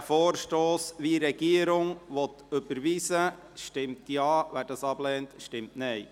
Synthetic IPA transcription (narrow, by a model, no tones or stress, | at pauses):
foːɾʃtoːsʋiɾɛɡiəɾʊŋʋɔt̪ | ɵbəɾʋiːsə | ʃtɪmtjɑːʋæːɾdɑsɑblɛːntʃtɪmtnɛj